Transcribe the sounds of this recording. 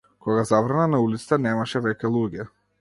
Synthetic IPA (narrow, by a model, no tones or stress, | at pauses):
kɔɡazavɾananaulit̪sḁt̪anɛmaʃɛvɛcʲɛlˠuɟɛ